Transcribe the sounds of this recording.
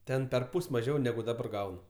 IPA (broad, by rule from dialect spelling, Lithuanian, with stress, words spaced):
ˈtʲɛn pʲɛrˈpʊsʲ mɐˈʒʲɛʊ nʲɛˈɡʊ dɐˈbɐr ˈɡɐʊnʊ